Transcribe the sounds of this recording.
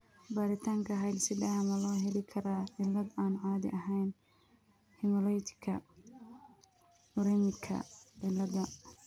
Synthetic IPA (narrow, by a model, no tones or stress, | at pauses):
baːɾɪt̪ʰaːŋkʰɐɦɐjlsɪd̪ɐɐmɐlɔːɦɛlɪkʰɐɾaːʕɪlːɐd̪aːnʕɑːðɪ̰ʔɐɦɛjn | hɪmɔlɔjt̪ʰɪ̥kʰɐ̰ | ʊɾɛmɪkʰɐ̰ʕɪlːɐðɐ